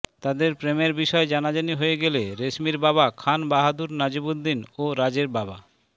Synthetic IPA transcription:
t̪ad̪eɾpɾemeɾbiʃɔed͡ʑanad͡ʑaniɦoeɡeleɾeʃmiɾbaβakʰanbaɦad̪uɾnad͡ʑibud̪ːinoɾad͡ʑeɾbaba

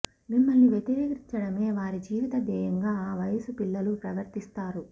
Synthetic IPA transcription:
mimːɐlniʋjet̪iɾiːkɾiɲt͡ʃɐɽɐme̞ːʋaːɾid͡ʒiːʋit̪ɐd̪ɛːjɐŋɡaːaːʋɐjɐsupilːɐlupɾɐʋɐɾt̪ist̪aːɾu

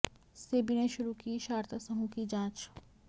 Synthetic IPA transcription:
seːbineʃʊɾukiːʃaːɾt̪asɐɦũkid͡ʒãːt͡ʃ

